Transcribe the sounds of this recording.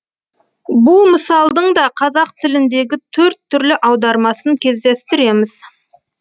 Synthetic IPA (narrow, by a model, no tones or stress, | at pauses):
bʊlˠməsɑlˠd̪əɴd̪ɑqʰɑzɑq̚t̪ʰɪlɪnd̪e̞ɡʲɪt̪ʰɵɾt̪ʰːʏɾlɪʔɑwd̪ɑɾmɑsəŋkʲʰe̞zd̪e̞st̪ɪɾe̞mɪz̥